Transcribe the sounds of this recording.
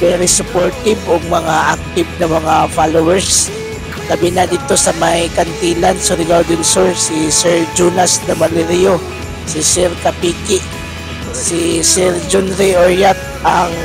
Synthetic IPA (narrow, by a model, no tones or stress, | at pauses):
bɛɾɪsʊpoɹt̪ɪbʊŋmɐŋaʔak̚t̪ɪb̚nɐmɐŋafalowɛɹs | ɡ̥ɐbɪnad̪it̪o̞sɐmajkɐnt̪iːlansʊɾɪɡad̪ɪŋsoɹsisɛɹd͡ʒuːnasd̪ɐmalɛɾijo | sɪsɛɾkɐpiːkɪʔ | sisɛɾd͡ʒonɾioɹjat̪̚aŋ